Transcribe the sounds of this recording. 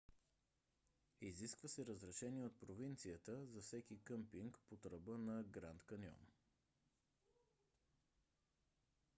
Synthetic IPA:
iziskvəsɛɾəzɾɛʃɛniɛot̪̚pɾovint̪sijət̪əzɐfsɛkikəmpiŋkpot̪ɾəbənɐɡɾant̪kɐnʲjɔ̰m

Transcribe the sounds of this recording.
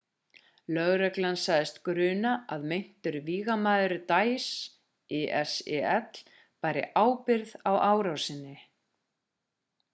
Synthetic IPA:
lœɣɾɛklansaːjðɪst̪kɾʏːnaʔaðmejn̥t̪ʏɾviːɣamaːðʏɾʏt̪ajs | ɛʔɛsɛɛt̪l̥ | paːjɾɪ̰ʔaːwpɪɾðawaːwɾawsɪnːɪ

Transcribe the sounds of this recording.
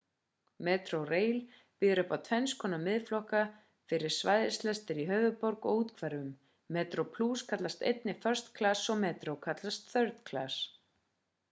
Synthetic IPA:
mɛːt̪ɾowreːjl | piːðɪɾʏhpawt̪ʰvɛnskʰɔːnamɪðflɔhka | fɪɾɪ̥svaːjðɪst̪lɛst̪ɪɾiɦœːɥvʏpɔɾkɔɣuːt̪kʰvɛɾðʏmː | ɛːt̪ɾowpʰluːskʰat̪last̪ḛjt̪̚nɪfœr̥st̪kʰlasːɔɣmɛːt̪ɾowkʰat̪last̪θœɾt̪kʰla̰s

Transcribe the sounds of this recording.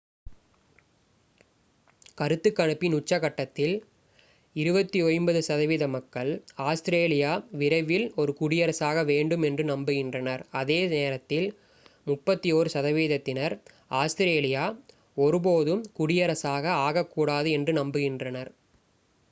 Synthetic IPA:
kɐɾɯt̪ːɯkːɐɳɯpːinʊt͡ʃːɐɣɐʈːɐt̪ːɪl | ɪɾɯbɐt̪ːiɔɻmbɐðɯsɐðɐʋiːðɐmɐkːɐɭaːst̪ɪɾeːlɪjaːʋɪɾɐɪʋɪlɔɾɯkʊɽɪjɐɾɐsaːɣɐʋeːɳɖɯmɛndrɯnɐmbɯɣɪndrɐnɐɾɐðeːneːɾɐt̪ːɪl | mʊpːɐt̪ːijoːɾɯsɐðɐʋiːðɐt̪ːɪnɐɾ | aːst̪ɪɾeːlɪjaː | ɔɾɯp̬oːðɯmkʊɽɪjɐɾɐsaːɣɐaːɣɐkːuːɽaːðɯɛndrɯnɐmbɯɣɪndrɐnɐɾ

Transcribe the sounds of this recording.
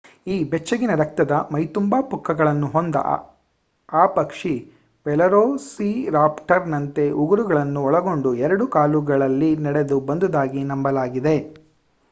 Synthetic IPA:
iːbɛt͡ʃːɐɡinɐɾɐk̚t̪ɐd̪ɐmɐjt̪umbaːpukʰːɐɡɐɭɐnːuɦond̪ɐ̰ | aːpɐkʂi | ʋɛlɐɾoːsiɾaːpʈɐɾnɐnt̪e̞ʔuɡuɾuɡɐɭɐnːuɔɭɐɡo̞ɳɖuɛɾɐɽukaːluɡɐɭɐlːinɐɽe̞d̪ubɐnd̪ud̪aːɡinɐmbɐlaːɡid̪e̞

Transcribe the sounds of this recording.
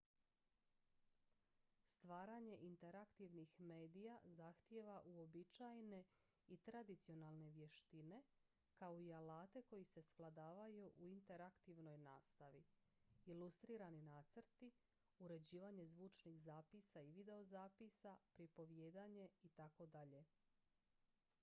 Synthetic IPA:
st̪ʋaːɾaɲe̞ʔint̪e̞ɾakt̪iʋnixme̞ːd̪ijazaxt̪je̞ʋaʔuo̞bit͡ʃajne̞ | it̪ɾad̪it̪sio̞nalˠne̞ʋje̞ʃt̪ine̞ | kaoialaːt̪e̞ko̞jise̞sʋlˠad̪aːʋajuʔuint̪eɾakt̪iʋno̞jnaːst̪aʋi | ilust̪ɾiːɾaninaːt̪srt̪i | uɾe̞d͡ʑiːʋaɲe̞zʋuːt͡ʃniɣzaːpisaiʋid̪e̞o̞zaːpisapɾipo̞ʋje̞ːd̪aɲe̞it̪ako̞d̪aʎe̞

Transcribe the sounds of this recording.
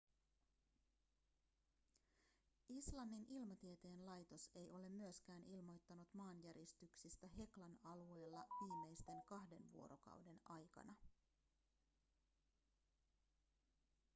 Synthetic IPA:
islɑnːinʔilmɑt̪iet̪e̞ːnlɑjt̪o̞se̞jʔo̞le̞mːyøsk̟æːnilmo̞jt̪ːɑnut̪mɑːnjæɾjist̪yksist̪æɦe̞klɑnɑlue̞ːlːɑʋiːmːe̞jst̪e̞ŋkɑhde̞nʋuo̰ɾo̞̰kɑ̰wde̞nɑjkɑ̰nɑ

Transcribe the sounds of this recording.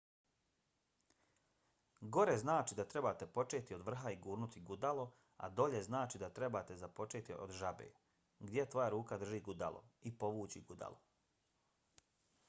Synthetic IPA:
ɡo̞ɾe̞znaːt͡ʃid̪at̪ɾe̞baːt̪e̞po̞t͡ʃe̞ːt̪io̞d̪ʋr̩ɦaiɡuːɾnut̪iɡud̪alo̞ | a̰d̪o̞ʎe̞znaːt͡ʃid̪at̪ɾe̞bat̪e̞zapo̞t͡ʃeːt̪io̰d̪ʒabḛː | ɡd̪je̞t̪ʋo̞jaɾuːkad̪r̩ʒiːɡud̪a̰lˠo̞̰ipo̞ʋuːt͡ɕiɡud̪a̰lˠo

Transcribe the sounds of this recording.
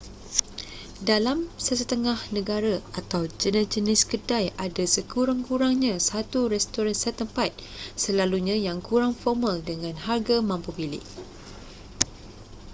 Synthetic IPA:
dalamsəsət̪əŋahnə̃ɡaɾaat̪awd͡ʒənəd͡ʒənɪskədajʔadasəkuɾaŋkuɾaŋɲãsat̪uɾɛst̪ɔɾansət̪əmpat̪̚səlaluɲãjaŋkuɾaŋfɔrmaldəŋãnharɡamãmpubilɪ̰ʔ

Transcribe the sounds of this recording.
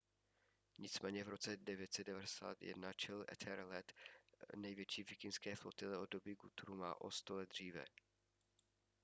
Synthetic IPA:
ɲɪt͡smɛːɲɛvɾo̞t͡sɛdɛvjɛt̪sɛd̚dɛvadɛsa̰ːt̪jɛ̰dnat͡ʃɛlɛ̰t̪ʰɛɾlɛt̪nɛjvjɛt͡ʃiːvɪkɪnskɛːflot̪ɪlɛʔodobiːɡut̪uɾuma̰ːʔo̰st̪olɛd̪̚dr̝iːvɛ̰

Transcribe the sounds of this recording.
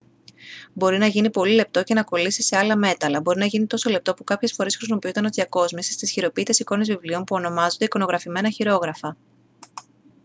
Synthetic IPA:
bo̞ɾinɐʝinipo̞lile̞p̚t̪o̞ce̞nɐko̞lisise̞ɐlɐme̞t̪ɐlɐbo̞ɾinɐʝinit̪o̞so̞le̞p̚t̪o̞pukɐpçe̞sfo̞ɾe̞sxɾozmo̞piut̪ɐno̞ðiɐko̞zmisist̪isçiɾo̞piːt̪e̞siko̞nezvivlio̞mpuo̞no̞mɐzond̪eiko̞no̞ɣɾɐfime̞nɐçiɾo̞ɣɾɐfɐ

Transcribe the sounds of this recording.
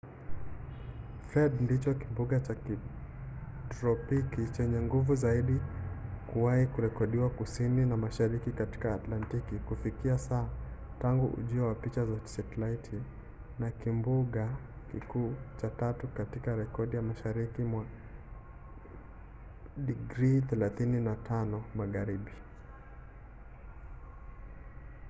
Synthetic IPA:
fɾɛɗndit͡ʃɔkimbuɠat͡ʃaki | tɾɔpikit͡ʃɛɲɛŋɡuvuzaiɗikuwaikuɾɛkɔɗiwakusininamaʃaɾikikati̥kaːtlantikikufikiasaː | taŋɡuʔṵʄiɔwapit͡ʃazat͡ʃɛtlaitʰi | nakimbuɠa | kikuːt͡ʃatatukatikaɾɛkɔɗijamaʃaɾikimwa | ɗiɡɾiθɛlaθininatʰanɔmaɣaɾiɓi

